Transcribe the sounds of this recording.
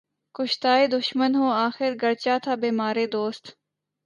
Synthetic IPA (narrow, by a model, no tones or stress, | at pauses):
kʊʃt̪aːed̪ʊʃmənɦoːaːxɪɾɡəɽt͡ʃaːt̪ʰaːbiːmaːɾeːd̪oːst̪